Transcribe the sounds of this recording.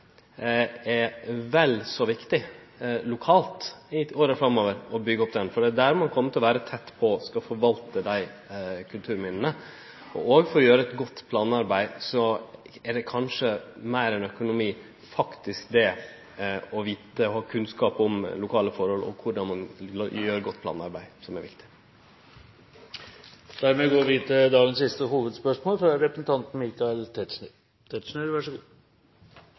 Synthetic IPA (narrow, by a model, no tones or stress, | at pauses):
ɛʋɛlsɔʋɪkt̪ɪ | lʊkʰɑːlt̪ɪoːɾəfɾɑmːoːʋəɾɔbʏɡːəɔpːd̪ɛnfɔɖ̪ɛd̪æɾmɑnkʰɔmːət̪ʰɪlɔʋæːɾət̪ʰɛt̪ːpʰɔskɑfɔɾʋɑlt̪əd̪æɪkʰʉlt̪ʰʉːɾmɪnnə | ɔ̰oːɡfɔɾɔjøːɾəɛt̪ɡɔt̪ːpʰlɑːnɑɾbæɪsɔɛɖɛkʰɑnʂəmæɪɾɛnœkʊnʊmiː | fɑkt̪ɪskd̪ɛ | ɔʋiːt̪əɔhɑːkʰʉnskɑːpɔmlʊkʰɑːləfɔɾhɔlɔ̰kʰʊɖɑnmɑnjøːɾɡɔt̪ːpʰlɑ̰ːnɑ̰ɾbæɪsɔmæɾʋɪ̰kt̪ɪ̥ | d̪̥æɾmɛɡoːɾɔʋiːt̪əd̪ɑːɡənsɪst̪əhuːʋəd̪spœʂmoːlfɾɑɾɛpɾəsənt̪ʰɑnt̪n̩miːkɑɛlt̪ʰɛt̪ʂnə | t̪ʰɛt̪ʂneɾʋæʂəɡuː